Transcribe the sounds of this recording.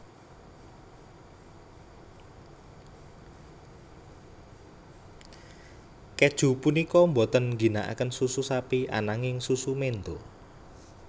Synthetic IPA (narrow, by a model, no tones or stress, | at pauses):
ked̥ʒ̥ṳpunikɔmbot̪ənŋɡi̤naʔa̰kənsususapiʔa̰naŋɪŋsusumend̪o